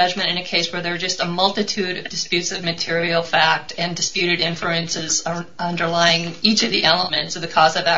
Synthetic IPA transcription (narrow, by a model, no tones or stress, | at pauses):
ʌd͡ʒmɨ̃ɾ̃ɨ̃ñɨkʰeɪswə˞ðə˞d͡ʒʌstəmʌlˠtɨtʰʉɾʌvdɨspjʉtsʌvmɨtʰɪɹil̩ˠfæk̚tɨ̃ndɨspjʉɾɨɾɪ̃ɱflʉɨ̃nsɨzʌ̃ndə˞laɪɪ̃ŋit͡ʃʌvðiʔɛlˠəmɨ̃ntsʌvðɨkʰɔzʌvæ